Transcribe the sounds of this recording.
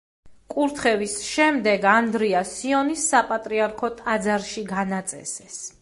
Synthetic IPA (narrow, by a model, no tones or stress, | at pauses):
kʼuɾt̪ʰχɛvisʃɛmd̪ɛɡand̪ɾiasiɔnisːapʼat̪ʼɾiaɾkʰɔt̪ʼad̪zaɾʃiɡanat̪sʼɛ̰sɛs